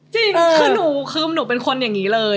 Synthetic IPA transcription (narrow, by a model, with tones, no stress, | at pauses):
t͡ɕi˧ŋkʰɯ˧˩nuː˩˦kʰɯː˧mnuː˩˦pe˧nkʰo˧nja˨˩ŋːiː˦˥lɤː˧